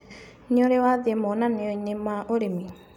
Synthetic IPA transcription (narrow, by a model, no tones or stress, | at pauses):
ɲoɾɛwaðiɛmɔnaneɔiɲemaʔoɾemi